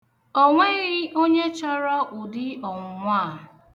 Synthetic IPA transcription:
ɔ˦ŋʷe˦ɣɪ˦o˦ɲe˦t͡ʃa˦ɾa˦ʔʊ˨dɪ˦ɔ˨ŋ̩˦ŋʷaː˦˨

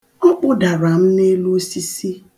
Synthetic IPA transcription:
ɔ˦k͡pʊ˦da˨ɾa˨m̩˦ne˦lu˦o˦si˦si˦

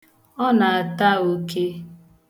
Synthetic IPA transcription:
ɔ˦na˨a˨ta˦o˦ke˦

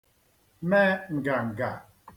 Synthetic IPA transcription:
mɛ˦ŋ̩˨ɡa˨ŋ̩˨ɡa˨

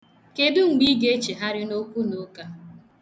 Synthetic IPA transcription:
ke˨dʊ˦ŋ͡m̩˨ɡ͡bi˦ɡe˦t͡ʃe˨ɦa˦ɾɪ˦no˦kʷu˦no˦ka˦

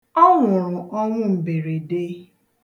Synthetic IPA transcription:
ɔ˦ŋʷʊ˨ɾʊ˨ɔ˦ŋʷʊ˦m̩˨be˨ɾe˨de˦

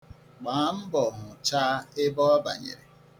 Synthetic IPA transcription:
k͡paː˨˦m̩˦bɔ˨ɦʊ˨t͡ʃa˦ɪ˦bɔ˦ɔ˦ba̰˨ɲḛ˨ɾe˨

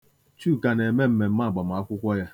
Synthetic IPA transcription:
t͡ʃu˦˨ka˨ne˨me˦m̩˦me˨m̩˦ma˦˨ɡ͡ba˨m̩˨a˦kʷʊ˦kʷɔ˦ja˦

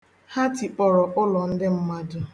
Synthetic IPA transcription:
ha˦ti˨k͡pɔ˨ɾɔ˨ʔʊ˦lɔ˨n̩˦dɪ˦m̩˦ma˦dʊ˨

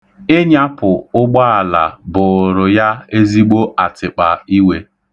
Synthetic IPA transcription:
ɪ˦ɲa˦pʊ˨ʊ˦ɡ͡ba˦a˨la̰˨bʊ˨ɾʊ˨ja˦e˦zi˦ɡ͡bo˦ʔa˨tɪ˨k͡pa˨i˦we˦

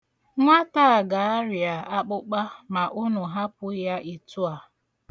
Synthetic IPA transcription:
ŋʷa˦ta˦a˨ɡa˨a˦ɾi˨a˨a˦k͡pʊ˦k͡pa˦ma˨ʔʊ˦nʊ˨ɦa˦pʊ˦ja˦ʔi˨tu˦a˨

